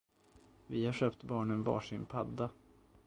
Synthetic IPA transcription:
vɪhaʂøːpt̪bɑːɳənvɑ̰ːʂɪnpʰad̪ːa

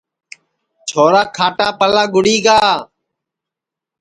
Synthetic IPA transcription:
t͡ʃʰoːɾaːkʰaːʈaːpəlaːɡʊɽiːɡaː

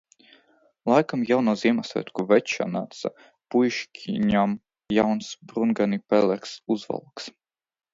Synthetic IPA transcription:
lˠajkamjawnuziɛmasvɛ̰t̪kuvɛtʃa̰naːt̪sa̰ | pujʃkʲʰiɲam | jawnsbɾunɡanipɛlʲɛɾksuzva̰lˠks

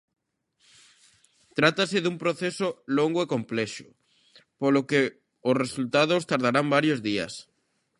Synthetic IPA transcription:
t̪ɾat̪asɪðumpɾoθesoloŋɡoekomplɛʃʊ̥ | poloke | ʊsresult̪aðʊst̪aɾðaɾambaɾjozðiɐ̰s

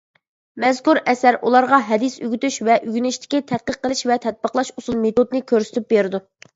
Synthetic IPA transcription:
mɛzkuɾɛsæɾʔulˠɑɾʁɑɦɛd̪ɪsyɡʲyt̪yʃvɛʔyɡʲynɪʃt̪ʰɪ̥kʲit̪ʰɛt̪̚qəqːəlˠɪʃvɛt̪ʰɛt̪̚bəqlˠɑʃusulˠmet̪ʰod̪nɪkʲʰøɾsɪ̥t̪yp̚beɾɪd̪u

